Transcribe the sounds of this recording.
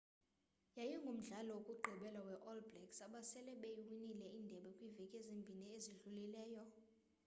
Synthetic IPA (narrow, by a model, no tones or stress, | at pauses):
jajɔŋɡʱom̩ɮalɔokʼuɡ͡ǃʱiɓɛlawɛʔɔlbrɛksaɓasɛlɛɓejwinilɛiːndʱɛɓɛkʼwivɛkʼezimbʱinieziɮulilɛːjɔ